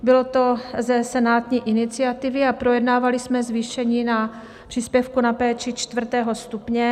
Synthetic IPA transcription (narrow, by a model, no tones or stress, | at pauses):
bɪlo̞t̪o̞zɛsɛnaːt̪ɲiːʔɪnɪt͡sɪat̪ɪvɪapɾojɛdnaːvalɪsmɛzviːʃɛɲiːna | pr̥iːspjɛfkunapɛːt͡ʃɪt͡ʃt̪vr̩t̪ɛːɦo̞st̪upɲɛ